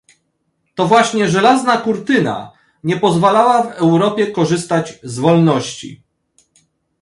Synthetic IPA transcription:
t̪ɔvwaɕɲɛʐɛlaznakuɾt̪ɘna̰ | ɲɛpɔzvalawavɛwɾɔpʲjɛkɔʐɘst̪ad͡ʑzvɔlnɔɕt͡ɕḭ

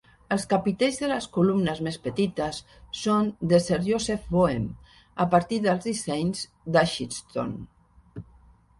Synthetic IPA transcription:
əlˠskapit̪ɛjzðələskulumnəzmespət̪it̪əsː | ond̪əseɾʒosefβoem | əpəɾt̪iðəlˠzðisɛɲz | d̪aʃinst̪o̰n

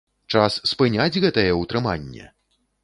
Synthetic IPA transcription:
t͡ʂasːpɨnʲad͡zʲɣɛt̪ɐjɛwt̪ɾɨmanʲːɛ̰

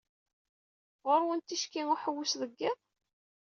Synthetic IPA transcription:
ʁʊɾwənt̪ːiʃkiŋuħəwːʊsðəɡːɪðˤ

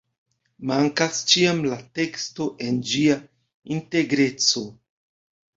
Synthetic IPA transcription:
maŋkast͡ʃiamlate̞ksto̞ʔe̞nd͡ʒia | inte̞ɡɾe̞t͡so̞

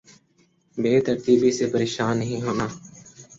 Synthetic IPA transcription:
beːt̪əɾt̪iːbiːseːpəɾeːʃaːnːəɦĩːɦoːnaː

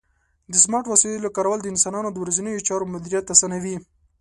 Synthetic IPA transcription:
d̪əsmɑʈwasilelakɑɾawald̪əɪnsɑnɑnod̪əwɾazinəjot͡ʃɑɾomʊd̪iɾijat̪ːasanawi

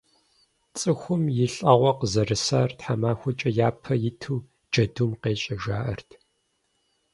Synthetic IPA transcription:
t͡sʼɨxʷʊmjɪɬʼɐʁʷɔqəzɐrɨsa̰ːrtħamaːxʷʊt͡ʃʼɐjaːpʰɐjɪtʰuː | d͡ʒɐdumqeːt͡ʃʼɐʒaːʔɐ̰rtʰ

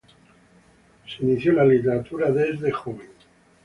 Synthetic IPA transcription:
seiniθjolalit̪eɾat̪uɾaðezðexoβeŋ

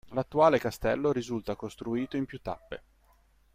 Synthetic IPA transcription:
lat̪ːuaːlekast̪ɛ̰lːoɾizult̪akost̪ɾuiːt̪oimpjut̪ːa̰pːḛ

